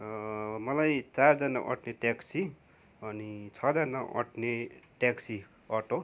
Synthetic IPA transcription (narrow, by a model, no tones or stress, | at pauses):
mʌlajt͡sard͡zʌnaʔʌ̰ʈʰneʈaksi | ʌnit͡sʰʌd͡zʌnːaʔʌ̰ʈʰneʈaksi | ʌʈo